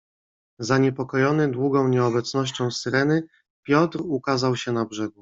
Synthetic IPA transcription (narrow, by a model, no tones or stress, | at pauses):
zaɲɛpɔkɔjɔnɘd̪wuɡɔ̃w̃ɲɛɔbɛt̪snɔɕt͡ɕɔ̃w̃sɘɾɛnɘ | pʲjɔt̪ɾukazawɕɛnabʐɛɡu